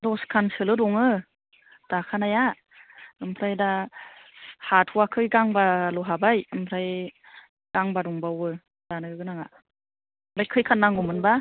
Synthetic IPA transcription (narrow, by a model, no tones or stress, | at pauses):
dɔskʰansɯlɯdɔŋɯ | d̥akʰanaja | ɯmpʰɾajda | hatʰuwakʰɯjɡaŋbalɔɦabajɯmpʰɾaj | ɡ̥aŋbadɔŋbawɯ | d̥anɯɡɯɡɯnaŋa | mbajkʰɯjkʰanːaŋɡɔmɯnba